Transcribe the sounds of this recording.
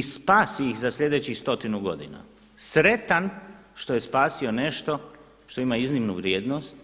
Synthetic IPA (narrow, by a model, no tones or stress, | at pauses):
spaːsiixzaslʲʎʲe̞d̪et͡ɕist̪o̞t̪inuɡo̞d̪ina̰ | sɾe̞t̪anʃt̪o̞je̞spaːsio̞ne̞ʃt̪o̞ | ʃt̪o̞imaiznimnuʋɾʲjeːd̪nost̪